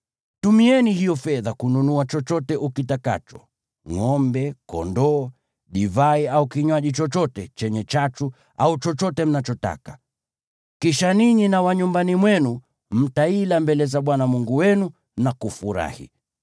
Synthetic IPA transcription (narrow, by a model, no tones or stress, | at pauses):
tumiɛnihijɔfɛðakununuat͡ʃɔt͡ʃɔtɛʔukitaka̰t͡ʃɔ̥ | ŋɔmbɛkɔ̰ndɔː | ɗivaiaukiɲwaʄit͡ʃɔt͡ʃɔtɛt͡ʃɛɲɛt͡ʃatu | aut͡ʃɔt͡ʃɔtɛm̩nat͡ʃɔta̰kḁ | kiʃaniɲinawaɲumbanimwɛnu | m̩tailambɛlɛzaɓwanamuŋɡuwɛnu | nakufuɾa̰hḭ